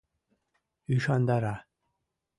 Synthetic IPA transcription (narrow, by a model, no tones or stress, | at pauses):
iʃɑnd̪ɑɾɑ